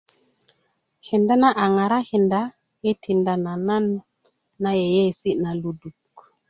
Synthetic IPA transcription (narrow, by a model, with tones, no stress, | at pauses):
hi˨nda˦na˦ʔa˨ŋa˨ɾa˦hi˨nda˦ | e˦tʰi˨nda˨na˨na˦n | na˨je˨je˦˨si˦na˨lu˨du˨k